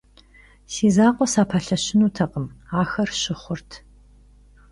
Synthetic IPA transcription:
siːzaːqʷʼɔsaːpʰaːɬɐɕɪnuːtʰɐqʼəmaːxɐrɕɪχʷʊrtʰ

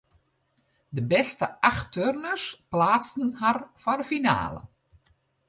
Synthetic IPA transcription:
dəbɛstəʔaxtørnəsplaːt͡stən̩ɦarfarəfina̰ːlə̰

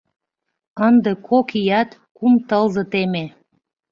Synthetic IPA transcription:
ənd̪ekʰokijɑt̪kumt̪əlzɤ̆t̪eme

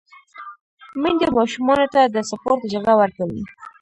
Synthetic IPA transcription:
məŋd̪əmɑʃumɑnot̪ad̪əsapoɾt̪əd͡ʒaɡawaɾkawḭ

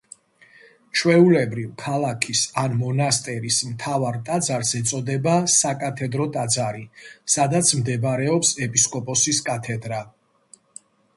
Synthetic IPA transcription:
t͡ʃʰwɛulɛbɾivkʰalˠakʰisanmɔnast̪ʼɛɾismt̪ʰavaɾt̪ʼad̪zaɾsɛt̪sʼɔd̪ɛbasakʼat̪ʰɛd̪ɾɔt̪ʼad̪zaɾisad̪at̪sʰmd̪ɛbɾɛɔpsɛpʼiskʼɔpʼɔsiskʼat̪ʰɛd̪ɾa

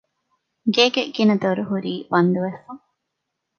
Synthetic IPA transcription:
ɡeːɡeɡinɐd̪oɾuɦuɾiːbɐnd̪uʋesːɐŋ

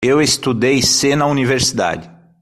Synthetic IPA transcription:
ewest̪ud̪ejsenɐuniveɾsid̪a̰d͡ʒɪ

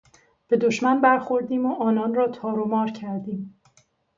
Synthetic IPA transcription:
b̥e̞d̪oʃmænbæɾxo̞ɾd̪iːmoʔɒːnɒːnrɒːt̪ʰɒːɾomɒːɾcʰæɾd̪iːm

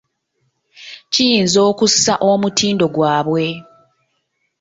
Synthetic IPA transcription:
cijiːnzo̞ːkusaʔo̞mutʰiːndo̞ɡwaːβwe̞

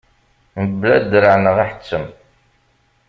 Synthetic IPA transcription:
məblæd̪ɾəʕnəʁaħə̥t͡sːəm

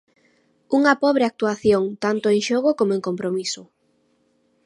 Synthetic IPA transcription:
uŋɐpɔβɾeak̚t̪uaθjoŋt̪ant̪oeŋʃɔɣokomoẽŋkompɾomisʊ

